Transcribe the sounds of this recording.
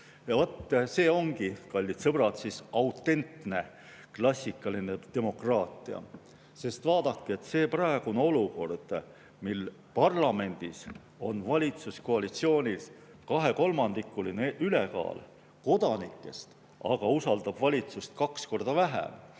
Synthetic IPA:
jɑvot̪ːse̞ːo̞ŋɡ̥ikɑlʲːit̪sɤb̥rɑt̪sisɑwt̪ːˑe̞nt̪ne̞ | klɑsʲːikːˑɑlined̪̥e̞mo̞krɑːt̪ˑiɑ̰ | se̞st̪vɑːd̪̥ɑkːie̞t̪se̞ːprɑeɡ̥uneo̞luko̞rd̪̥ | mil | pɑrlɑme̞nd̪̥is | o̞nvɑlʲit̪susko̞ɑlit̪sio̞ːnʲils | kɑɦe̞ko̞lmɑnd̪ikːˑulineyle̞kɑ̰ːl | ko̞d̪̥ɑnikːˑe̞st̪ | ɑɡ̥ɑusɑld̪̥ɑb̥vɑlʲit̪sust̪kɑksko̞rd̪̥ɑvæɦæ̰m

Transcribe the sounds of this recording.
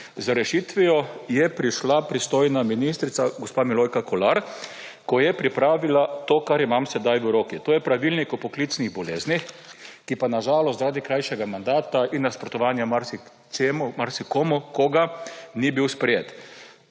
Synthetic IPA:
zɾɛʃit̪ʋijɔjɛpɾiʃlapɾist̪oːjnaminist̪ɾit̪saɡospamilojkakɔlaɾ | kɔjɛpɾipɾaːʋilat̪oːkaɾimamsɛd̪ajʋəɾokit̪oːjɛpɾaʋilnikupɔklit̪sniɣbɔlḛːznixkipanaʒaːlɔst̪zɾaːd̪ikɾajʃɛɡamand̪aːt̪ainːaspɾɔt̪ɔʋaːnjamaɾsi | emmaɾsikomɔkoɡanibiwspɾɛjeːt̪

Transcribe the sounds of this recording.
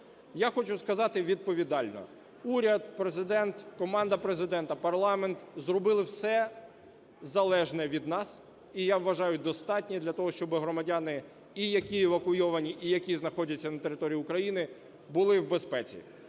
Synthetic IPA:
jaxɔt͡ʃʊskɐzɑt̪ɪʋʲid̪̚pɔʋʲid̪ɑlʲnɔ̰ | uɾʲɐd̪̚pɾezɪd̪ɛnt̪kɔmɑnd̪ɐpɾezɪd̪ɛnt̪ɐpɐrlˠɑment̪zrɔbɪlˠɪwsɛ | zɐlˠɛʒnɛʋʲid̪nɑs | ijaʋːɐʒɑjʊd̪ɔst̪ɑtʲnʲid̪lʲɐt̪ɔɦɔʃt͡ʃɔbɪɦɾɔmɐdʲanɪ | ijɐkʲieʋɐkʊjɔʋɐnʲiʔijɐkʲiznɐxɔdʲɐt͡sʲːɐnɐt̪e̞ɾɪt̪ɔɾʲijːiʊkɾɐjinɪ | bʊlˠɪwbespɛt͡sʲḭ

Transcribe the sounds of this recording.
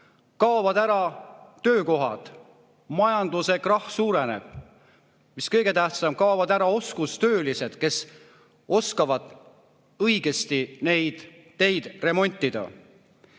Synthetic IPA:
kɑovɑd̪æɾɑt̪ø̞ːko̞ɦɑd̪̥ | mɑjɑnd̪̥use̞krɑhsuːɾene̞̰b̥̚ | miskɤjɡe̞t̪æht̪sɑmkɑovɑd̪æɾɑo̞skust̪ø̞ːlise̞d̪̥ke̞s | o̞skɑvɑd̪̥ | ɤjɡe̞st̪ine̞jd̪̥ː | e̞jd̪̥re̞mo̞nʲt̪ʲˑːid̪̥ɑ̰

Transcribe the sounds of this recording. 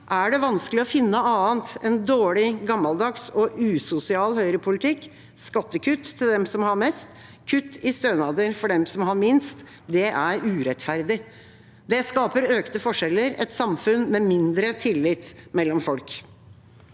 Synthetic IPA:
ʔæɖɛʋɑnsklɪɔfɪnːəɑːənt̪ɛnd̪oːɽɪɡɑmːɑld̪ɑksɔʔʉːsʊsɪɑːlhœʏɾəpʰʊlɪt̪ʰɪkː | skɑt̪ːəkʰʉt̪ʰːɪld̪ɛmsɔmhɑɾmɛst̪ | kʰʉt̪ːɪst̪øːnɑːd̪əɾfɔɖɛmsɔmhɑɾmɪnst̪ | d̪ɛʔæɾʉːɾɛt̪fæɾd̪ɪ | d̪ɛskɑːpəɾøːkt̪əfɔʂɛlːəɾɛ̰t̪sɑmfʉnmɛmɪnd̪ɾət̪ʰɪlːɪt̪mɛlːɔmfɔlk

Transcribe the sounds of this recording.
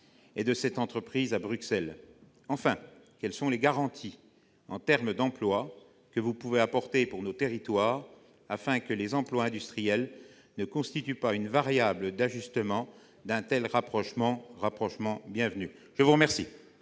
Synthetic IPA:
ed̪əsɛt̪ɑ̃t̪χəpχizabʁyksɛl | ɑ̃fɛ̃ | kʲɛlsɔ̃leɡaʁɑ̃t̪ʰi | ɑ̰̃t̪ɛʁməd̪ɑ̃plwa | kəvupuveapɔʁt̪epuʁnot̪eʁit̪waːʁ | afɛ̃kəlezɑ̃plwaɛ̃d̪yst̪χijɛl | nəkɔ̃st̪it̪ypaynvaʁjabləd̪aʒyst̪əmɑ̃ | d̪ɛ̃t̪ɛlʁapχɔʃmɑ̃ʁapχɔʃmɑ̃bjɛ̃vnyʒ̥əvuʁəmɛʁsḭ

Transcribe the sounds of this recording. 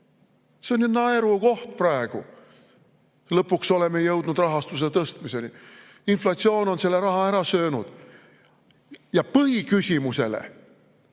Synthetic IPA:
seonynːɑeɾuko̞ht̪̚prɑeɡ̥u | lɤpːˑukso̞le̞me̞jɤwd̪̥nud̪rɑɦɑst̪us̬e̞t̪ɤst̪mise̞ni | inflɑt̪sio̞ːno̞nse̞lːe̞ɾɑɦɑeɾɑsøːnud̪̥ | jɑpɤɦikysʲimuse̞̰lḛ

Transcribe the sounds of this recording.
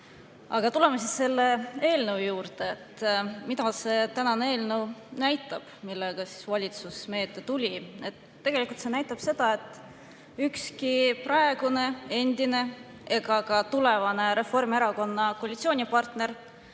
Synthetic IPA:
ɑ̰ɡ̥ɑt̪ule̞mesisːe̞lːe̞e̞ːlnewjuːɾd̪eːt̪ːmid̪ɑse̞t̪ænɑnee̞ːlnewnæjt̪ːˑɑb̥milːeɡ̥ɑsi̥svɑlʲit̪susme̞ːt̪ːˑe̞t̪ulʲie̞t̪ːe̞ɡ̥e̞likult̪se̞næjt̪ːˑɑb̥se̞d̪̥ɑe̞t̪ːˑ | ykskiprɑe̞ɡ̥une̞e̞nd̪̥ine̞ | e̞ɡɑkɑt̪ule̞vɑne̞ɾe̞fo̞rmieɾɑko̞nːɑko̞ɑlʲit̪sio̞ːnʲipɑrt̪ne̞r

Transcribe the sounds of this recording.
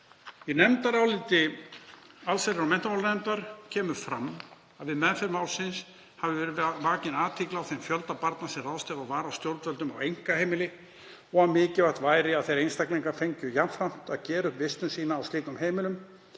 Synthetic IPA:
jɛnɛmt̪aɾawlɪːt̪ɪ | alsajɾɪɾawmɛn̥t̪amawlnɛmt̪aɾ̥cʰɛːmʏ̥fɾamː | aðvɪðmɛðfɪɾmaːwlsɪns | havʏvɛːɾɪvaːcɪnaːt̪ʰiːklaawθejmfjœlt̪apaɾt̪nasɛraːðst̪ɛvavaːɾawst̪jowɾt̪vœlt̪ʏma̰wejŋ̥kaheːjmɪlɪ | ɔɣamɪːcɪvaht̪vaːjɾɪaðθejɾejnst̪akliŋkafejɲcʏjamfam̥t̪aðcɛːɾʏhvɪst̪ʏnsiːnaːwst̪iːkʏmheːjmɪlʏm

